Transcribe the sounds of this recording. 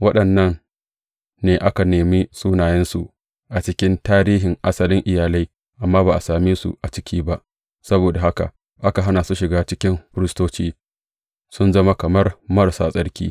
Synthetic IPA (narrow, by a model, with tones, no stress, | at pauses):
wɐ˦ɗɐ˨nːɐ˦nː | eː˨ʔa˦ka˨neː˨mi˦sʼuː˦naː˨jɛ˦nsu˨ | ʔa˨t͡ʃɪ˦kʲɪ˦ntaː˦ɾiː˦ɦɪ˨ŋʔa̰˦sɐ˦lɪ˦ŋʔɪ˨jaː˨la˦j | ʔa˨mːaː˦baː˨ʔa˨saː˨miː˦sṵ˨ʔa˨t͡ʃɪ˦kʲʰiː˦ba˦ʔ | sɐ˦boː˨da˨ɦa˦ka̰˨ | ʔa˦ka˨ɦa˦naː˨su˦ʃɪ˨ɡaː˦t͡ʃɪ˦kʲɪ˦mɸɪ˦ɾɪ˦stoː˦t͡ʃiː˦ | sʊ˦nzɐ˦ma˦kɐ˨mɐ˦rmɐ˦rsaː˦sʼɐ˦ɽkʲḭː˦